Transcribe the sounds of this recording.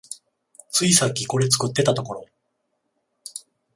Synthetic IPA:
t͡sɨisakʲːiko̞ɾe̞t͡sɨ̥kɯ̟t̪ːe̞t̪at̪o̞ko̞ɾo̞

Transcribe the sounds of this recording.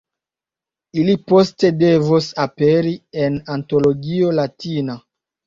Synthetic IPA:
ilipo̞ste̞de̞vusapeɾienanto̞lo̞ɡio̞latina

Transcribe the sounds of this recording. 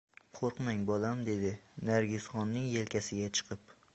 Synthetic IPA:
qʰoɾqmaŋbɒlamd̪e̞d̪ɪnaɾɡʲɪsχɒnːɪŋjelkʲʰasɪɡʲat͡ʃʰɨ̥qʰɨp

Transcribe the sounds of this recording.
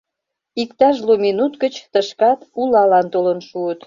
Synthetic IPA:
ikt̪ɑʒlominut̪ɡət͡ɕt̪əʃkɑt̪ulɑlɑnt̪olənʃuət̪

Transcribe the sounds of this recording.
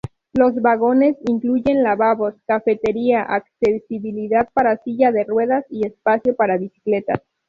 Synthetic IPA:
lo̞zβaɣo̞ne̞siŋkluʝe̞nlaβaβo̞skafe̞t̪e̞ɾiaʔaksesiβiliðaðpaɾasiʝaðe̞rwe̞ðasie̞spasjo̞paɾaβisi̥kle̞t̪a̰s

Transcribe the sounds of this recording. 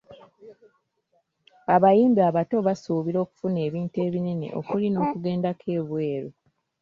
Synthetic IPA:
aβajiːmbiaβato̞βasuːβiɾo̞ːku̥fune̞ːβiːnte̞ːβinenḭʔo̞̰kulino̞ːkuɡe̞ːndakʰe̞ːβwe̞ːɾo

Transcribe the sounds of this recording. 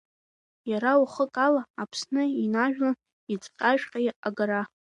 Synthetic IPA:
jaɾawuχəkʼalaːpʰsnɨinaʒᶣla | it͡sʼqʲʼaʒᶣqʲʼajaɡaɾa

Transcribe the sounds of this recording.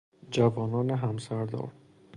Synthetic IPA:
d͡ʒævɒːnɒːneɦæmsæɾd̪ɒ̰ːɾ

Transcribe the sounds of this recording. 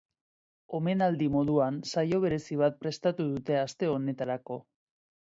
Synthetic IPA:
o̞me̞nald̪imo̞ð̞uansajo̞β̞e̞ɾe̞siβ̞at̪̚pɾe̞st̪at̪uðut̪e̞ast̪e̞o̞ne̞t̪aɾako̞

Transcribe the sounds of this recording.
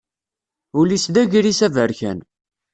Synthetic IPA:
ʊlisðæʝɾisævəɾçæ̰n

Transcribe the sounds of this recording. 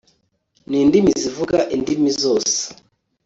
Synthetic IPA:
niːndimizivuɡaʔindimizoːse̥

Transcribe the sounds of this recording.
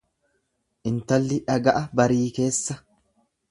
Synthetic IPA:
ʔɪnt̪ɐlːɪᶑɐɡɐʔɐbɐɾiːke̞ːsːɐ

